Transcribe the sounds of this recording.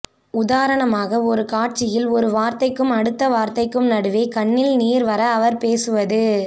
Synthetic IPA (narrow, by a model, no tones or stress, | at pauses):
ʊðaːɾɐɳɐmaːɣɐɔɾɯkaːʈ̚t͡ʃɪjɪlɔɾɯʋaːɾt̪ɐɪkːɯmɐɽɯt̪ːɐʋaːɾt̪ɐɪkːɯmnɐɽɯʋeːkɐɳːɪlniːɾʋɐɾɐːʋɐɾpeːsɯʋɐðɯ